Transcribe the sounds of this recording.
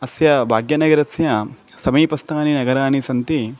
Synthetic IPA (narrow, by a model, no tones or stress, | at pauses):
ɐsjɐbʱaːɡjɐnɐɡɐɾɐsjɐ | sɐmiːpɐst̪ʰaːninɐɡɐɾaːnisɐnt̪i